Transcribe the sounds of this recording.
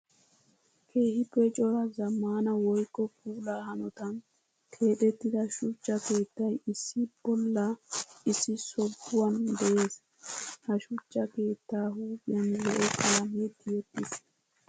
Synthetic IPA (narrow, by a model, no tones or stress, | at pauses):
kʰe̞ːhɪbɛt͡ʃʼɔɾɐzɐmːaːnɐwɔjkːɔk̚ʰʼuːlaːhɐnɔt̪ɐn | t̪ʰe̞ːt̪ɛt̪ːɪd̪ɐʃʊt͡ʃːɐke̞ːt̪ːɐjɪsːɪb̥ɔlːɐɪsːɪsɔbːʊwɐnd̪ɛʔe̞ːs | hɐʃʊt͡ʃːɐke̞ːt̪ːaːɦuːbɪjɐnlɛʔɔkʼɐlɐmet̪ʰːɪjɛt̪ːɪs